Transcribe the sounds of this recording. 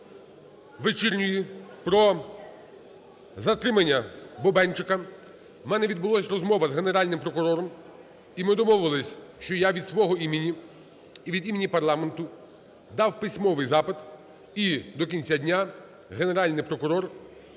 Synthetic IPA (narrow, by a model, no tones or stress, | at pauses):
ʋet͡ʃirʲnʲʊjipɾɔ | zɐt̪ɾɪmɐnʲːɐbɔbɛnt͡ʃɪkɐ | mɛnɛʋʲid̪bʊlˠɔsʲrɔzmɔʋɐzɦeneɾɑlʲnɪmpɾɔkʊɾɔɾɔm | imɪd̪ɔmɔʋʊɪlˠɪsʲʃt͡ʃɔjaʋʲid̪sʋɔɦɔimʲenʲi | iʋʲid̪imʲenʲipɐrlˠɑment̪ʊ | d̪ɑwpɪsʲmɔʋɪjzɑpɪd̪ | id̪ɔkʲinʲt͡sʲadʲnʲa | ɦene̞ɾɑlʲnɪjpɾɔkʊɾɔr